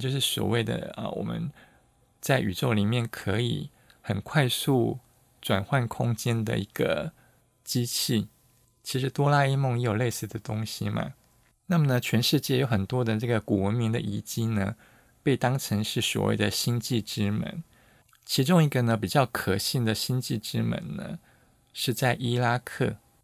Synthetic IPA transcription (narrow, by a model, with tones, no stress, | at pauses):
t͡ɕjo˥˧ʊʂ̬ɻ̩˥˩swɔ̰˨˩we˥˩ɪd̪ə̰˨˩ə̰˨˩wɔ̰˨˩mə̰˧˦n | t͡sa˥˩ɪʔy̰˨˩ʈ͡ʂo˥˩ʊli˨˩mjɛ˥˩nkʰɤ˧˥ḭ˨˩ | xə˨˩nkʰwa˥˧ɪsu˥˩ | ʈ͡ʂwa˨˩nxwa˥˩nkʰʊ˥ŋt͡ɕjɛ˥nd̪ə̰˨i˧˥ɡ̥ə̰˧ | t͡ɕi˥t͡ɕʰi˥˩ | t͡ɕʰi˧˥ʂɻ̩˧˥t̪wɔ˥la˥i˥˧mʊ˥˧ŋjɛ˧˥jo˨˩le˥˧ɪsɹ̩˥˩d̪ə˩t̪ʊ˥ŋɕi˨ma̰˩ | na˥˩mə˨˩nə˩t͡ɕʰɥɛ˧˥nʂɻ̩˥˧t͡ɕjɛ˥˩jo˧˥ʊxə˨˩nt̪wɔ˥d̪ə˨nɤ˥˩ɡə˩ku˨˩wə˧˥nmi˧˥ŋd̪ə˨ʔi˧˥t͡ɕi˥nə̰˧ | pe˥˩ɪt̪ɑ˥ŋʈ͡ʂʰə˧˥ŋʂɻ̩˥˩swɔ̰˨˩wʔḛ˥˩ɪd̪ə˩ɕi˥nt͡ɕi˥˩ʈ͡ʂɻ̩˥mə̰˧˦n | t͡ɕʰi˧˥ʈ͡ʂʊ˥ŋi˧˥ɡə˧˨nə˧p̬i˨˩t͡ɕjɑ˥˩ʊkʰɤ˨˩ɕi˥˩nd̪ə˩ɕi˥nt͡ɕi˥˩ʈ͡ʂɻ̩˥mə̰˧˥nnə̰˧ | ʂɻ̩˥˧t͡sa˥˩ɪʔi˥la˥kʰɤ̰˥˩